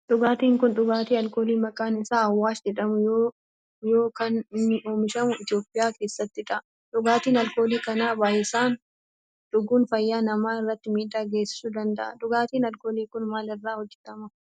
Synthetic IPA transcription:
ᶑ̪ʊɡaːt̪iːŋkʊnᶑʊɡaːt̪iːɐlkoːliːmɐkʼaːnɪsaːɐwːaːsd͡ʒɛᶑɐmʊjoː | joːkɐnnːɪʔo̞ːmɪʃɐmʊɪt̪ɪjoːpʼːɪjaːke̞ːsːɐt̪ːɪᶑɐʔ | ᶑʊɡaːt̪iːnɐlko̞ːliːkɐnaːbaːjɪsaːn | ᶑʊɡuːnfɐjːaːnɐmaːɪrːɐt̪ːɪmiːd̪aːɡe̞ːsːɪ̥suːd̪ɐnd̪ɐʔɐ̰ᶑ̪ʊɡaːt̪iːnɐlkoːliːkʊnmaːlɪrːaːhɔd͡ʒːɛt̪ɐmɐ

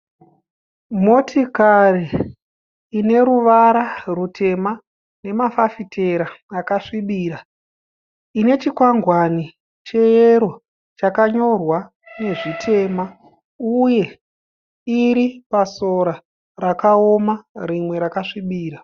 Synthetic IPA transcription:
mo̞tʰikariː | ne̞ɾuʋaɾarutʰe̞ma | ne̞mafafitʰe̞ɾaːkaʂiɓiːɾa | ine̞t͡ʃikwaŋɡwani | t͡ʃe̞jeɾo̞ | t͡ʃakaɲo̞rwa | ne̞ʐitʰe̞ma | uje̞ | iɾipasoɾa | rakaomarimwe̞ɾakaʂiɓiːɾa

